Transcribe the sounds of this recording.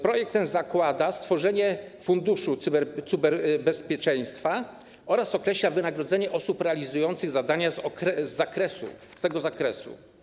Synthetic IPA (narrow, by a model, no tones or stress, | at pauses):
pɾɔjɛk̚t̪ːɛnzakwad̪ast̪fɔʐɛɲɛfund̪uʂubt̪sɨbɛɾbɛspʲjɛt͡ʂɛ̃j̃st̪fa | ɔɾasɔkɾɛɕlavɘnaɡɾɔd̪zɛɲɛʔɔsupɾɛalʲizujɔnt̪sɘɣzad̪aɲazɔkɾɛzːakɾɛsṵst̪ɛɡɔzakɾɛsṵ